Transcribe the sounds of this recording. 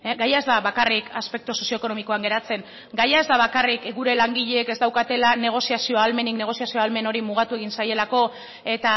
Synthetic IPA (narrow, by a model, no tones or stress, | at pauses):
eɡajae̞zd̪aβakarikʰaspe̞k̚t̪uso̞sioeko̞no̞miko̞aŋɡe̞ɾat͡se̞ŋ | ɡajaezd̪aβ̞akarikɡuɾe̞laŋɡiʎe̞ːke̞zd̪awkat̪e̞lane̞ɣ̞o̞siasio̞alme̞nikne̞ɣ̞o̞siasio̞alme̞no̞ɾimuɣ̞at̪ue̞ɣinsaje̞lako̞ | e̞t̪a